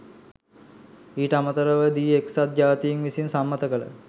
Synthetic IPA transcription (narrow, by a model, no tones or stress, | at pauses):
iːʈəamət̪əɾəʋəd̪iːeksat̪̚d͡ʒaːt̪ijiŋʋisinsamːɐt̪əkələ̰